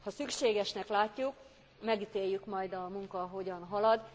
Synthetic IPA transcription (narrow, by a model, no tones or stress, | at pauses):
hɒsykʃeːɡɛʃnɛklaːcːuk | mɛɡit̪eːjːykmɒjd̪ɒmuŋkɒɦo̞ɟɒnɦɒlɒd̪